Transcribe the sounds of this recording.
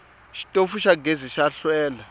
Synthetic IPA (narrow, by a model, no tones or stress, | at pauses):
ʃi̥tʼofuʃaɡʱeziʃaɬwɛːla